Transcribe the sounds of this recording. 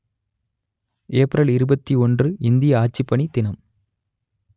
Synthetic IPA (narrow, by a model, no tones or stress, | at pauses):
eːpɾɐlɪɾɯbɐt̪ːiɔndrɯɪnd̪ɪjɐaːt͡ʃːɪpːɐɳid̪ɪnɐm